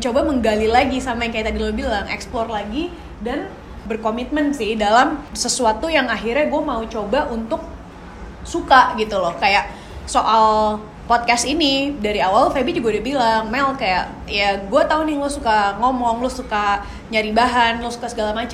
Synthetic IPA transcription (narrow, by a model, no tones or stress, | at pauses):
t͡ʃobaməŋɡalilaɡisamajaŋkajat̪adilobilaŋʔɛ̰ksplɔrlaɡi | dan | bərkomit̪̚mənsɪhdalamsəsuat̪ujaŋaɦirɲaɡuamaut͡ʃobaʔunt̪ʊk̚ | sukaʔɡit̪ulɔhkajaʔ | soʔal | pɔt̪̚kasinidaɾiawalfebid͡ʒuɡaudabilaŋmɛlkaja̰ʔ | jaɡuat̪aunɪlʊsukaŋomɔŋlʊsuka | ɲaɾibaɦanlʊsu̥kasəɡalamat͡ʃa